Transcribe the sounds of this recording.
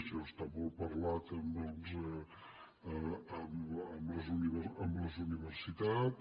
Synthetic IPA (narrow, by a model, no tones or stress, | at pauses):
sost̪aβɔlpəɾlat̪ənd̪ɔnzə | əəməmləzuniβəəmləzuniβəɾsit̪at̪